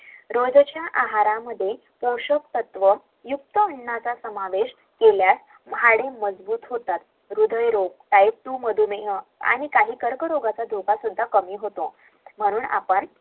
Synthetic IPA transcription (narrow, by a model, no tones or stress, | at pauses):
ɾod͡zt͡ɕjaʔaɦaɾaməd̪ʱːje | poɕək̚t̪ət̪ʋə | juk̚t̪əəɳːat͡sasəmaʋeɕ | keljas | maɽeməd͡zbuːt̪ɦot̪at̪ | ɾud̪ʱəjɾoɡ̚t̪ajik̚t̪uːməd̪ʱumeɦəa̰ɽ̃ikaɦiːkəɾkəɾoɡat͡sad̪ʱupasud̪ʱːakəmiːɦot̪o | m̤əɽ̃uːna̰pəɳ